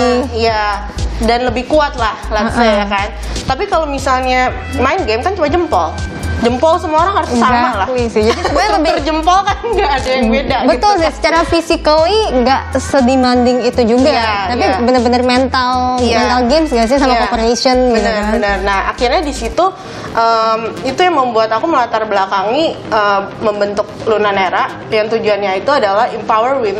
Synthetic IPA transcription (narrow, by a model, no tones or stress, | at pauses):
ija | danləbɪhkuat̪̚lahlaʔajakan | t̪apikalomisalɲa | maɪnɡɛmkant͡ʃumad͡ʒəmpɔld͡ʒəmpɔlsəmaoɾaŋhaɾʊsamaklauisɪhd͡ʒadisəbaɲaləbərd͡ʒəmpɔlkanɡaːdajaŋbedabət̪ʊlsɪhsə̥t͡ʃaɾafisikəlɪŋɡaʔsədimandɪŋit̪ud͡ʒuɡat̪apibənərbənərmɛnt̪aljmɛnt̪alɡɛnsŋɡaʔs̬s̬amaopəɾesənbənəənərnaha̰kirɲadisit̪u | ʔəmit̪ujaŋməmbuat̪akuməlat̪arbəlakaŋi | əmməmbənt̪ʊk̚lunaneɾaʔ | jaŋt̪ud͡ʒuanɲait̪uadalahimpawərwɪn